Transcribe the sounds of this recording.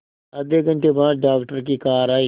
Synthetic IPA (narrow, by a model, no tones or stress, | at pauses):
əd̪eːkə̃ɳʈeːbaːd̪ɖaːkʈəɾk̬iːkaːɾaːiː